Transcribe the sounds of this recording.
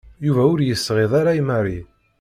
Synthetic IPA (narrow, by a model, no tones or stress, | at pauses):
juvæʊɾjəsːʁeðˤaɾajmari